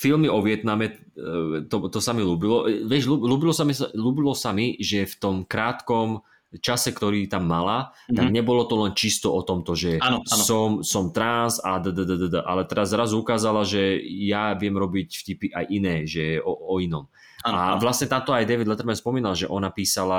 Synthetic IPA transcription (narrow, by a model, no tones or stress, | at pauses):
filmiɔʋɪɛt̪namɛ | t̪ɔt̪ɔsamiluːbilɔʋjɛʒluːluːbilɔsamiluːbilɔsamiʒɛft̪ɔmkɾaːt̪kɔm | t͡ʃasɛkt̪ɔɾiːt̪amːalat̪aɡɲɛbɔlɔt̪ɔlɛnt͡ʃist̪ɔʔɔt̪ɔmt̪ɔʒɛanɔsɔmsɔmt̪ɾanzad̪əd̪əd̪əd̪əd̪əʔa̰lɛt̪ɛɾazɾazukaːzalaʒɛjaʋɪɛmɾɔbicfcipiʔa̰jʔinɛːʒɛɔɔinɔm | aa̰ʋlast̪ɲɛt̪ant̪ɔajd̪ɛʋid̪lɛt̪ɛɾmɛnspɔmiːnalʒɛʔɔnapiːsala